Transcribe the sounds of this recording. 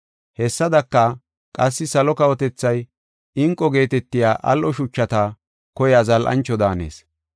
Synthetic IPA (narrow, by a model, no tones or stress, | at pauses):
hɛsːɐd̪ɐkːɐ | kʼɐsːɪsɐlɔkɐwɔt̪ɛt͡sːɐj | ɪŋkʼːɔɡe̞ːt̪ɛt̪ːɪjaːʔɐ̰lʔɔʃʊt͡ʃːɐt̪ɐ | kɔjazɐlʔɐ̰nt͡ʃːɔd̪aːne̞̰ːs